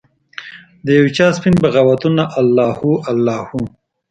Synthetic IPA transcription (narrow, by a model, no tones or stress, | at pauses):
d̪əjawt͡ʃɑːspinbəɣawat̪unaʔalːɑːhuʔalːɑːhu